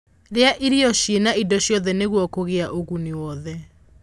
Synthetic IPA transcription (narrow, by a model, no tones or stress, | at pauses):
ɾeaʔiɾiɔʃjenaidɔɕjɔðɛneɣwɔkoɣeaʔoɣuniwɔðɛ